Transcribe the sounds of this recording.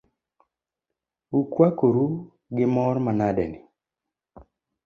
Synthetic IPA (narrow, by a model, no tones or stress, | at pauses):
ukwakoɾu | ɡɪmɔɾmanadɛnɪ